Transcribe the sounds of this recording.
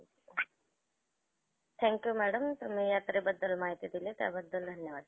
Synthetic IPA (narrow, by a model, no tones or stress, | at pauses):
t̪ʰɛ̃ːŋkjumɛːɖəmt̪umejaːt̪ɾebɐd̪ːəlmaːɦit̪id̪ilet̪a̰bɐd̪ːəld̪ʱɐnjɐʋaːd̪